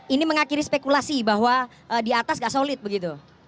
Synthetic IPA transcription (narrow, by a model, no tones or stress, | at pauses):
iniməŋakiɾispekulasibaɦwa | ʔədiat̪asŋɡaʔsolɪt̪̚bəɡit̪u